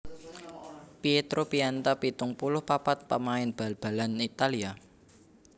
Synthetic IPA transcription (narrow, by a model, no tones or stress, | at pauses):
piet̪ɾopiant̪apit̪ʊŋpulʊhpapat̪̚pəmaɪnb̥a̤lb̥a̤lanit̪alia